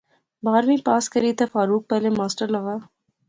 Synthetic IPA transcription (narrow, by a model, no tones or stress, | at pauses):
baːɾmĩpaːskɐɾit̪ʰefaːɾuːk̚pɛɦlemaːsʈəɾlɐɣaː